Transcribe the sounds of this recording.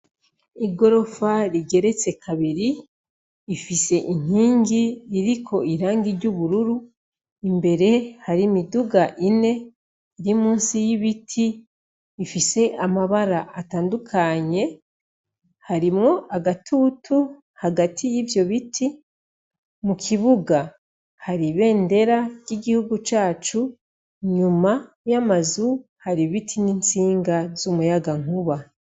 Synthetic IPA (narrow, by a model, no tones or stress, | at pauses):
iɡo̞ɾo̞faɾiɟe̞ɾe̞t͡se̞kʰaβiɾiː | fise̞ʔin̥iːŋɡiɾiɾikʰo̞iɾaːŋɡiɾɟuβuɾuɾu | imbe̞ɾe̞haɾimiduɡaʔine̞ | iɾimuːnsijiβitʰiː | fise̞ʔamaβaɾaʔːtaːndukʰaɲe̞ | haɾimŋo̞ʔaɡatʰutʰu | haɡatʰijivjo̞βitʰi | mukʰiβuɡa | haɾiβe̞ːnde̞ɾaɟiɡihuɡut͡ʃaːt͡ʃu | ɲuma | jamazu | haɾiβitʰininsiːŋɡazumujaɡaŋ̥uβa